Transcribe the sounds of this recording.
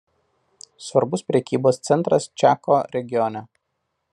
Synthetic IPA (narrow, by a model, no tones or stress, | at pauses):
sʋɐɾbʊspʲɾʲɛkʲiːboːst̪sʲɛnt̪ɾɐst͡ʃʲæːkoːɾʲɛɡʲɪjɔnʲɛ